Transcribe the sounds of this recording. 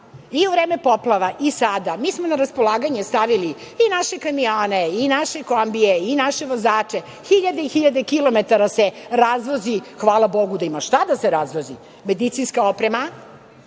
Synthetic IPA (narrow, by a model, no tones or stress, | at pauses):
iuʋɾeːme̞poplˠaʋaʔisad̪amiːsmonaɾaspo̞lˠaːɡaɲest̪aʋili | inaʃekamioːneinaʃe̞kombijeinaʃe̞ʋozaːt͡ʂe̞ | xiʎad̪eixiʎad̪e̞kilo̞met̪aɾaseɾazʋozixʋaːlˠabo̞ɡud̪aimaʃt̪ad̪aseɾazʋozi | me̞d̪it̪sinskaopɾema